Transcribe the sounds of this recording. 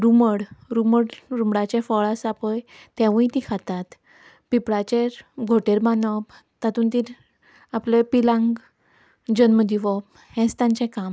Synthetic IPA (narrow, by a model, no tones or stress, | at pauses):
ɾuməɽɾuməɽɾumɽat͡ɕɛ̃fɔɭasapəjt̪ɛ̃ʋũit̪ikʰat̪at̪ | pipɽat͡ɕeɾɡʱoʈeɾmanəb | t̪at̪uːnt̪iɾ | aplepilãŋɡ | d͡ʑənməd̪ʱiʋɔb | hɛ̃st̪ãɲt͡ɕɛ̃kam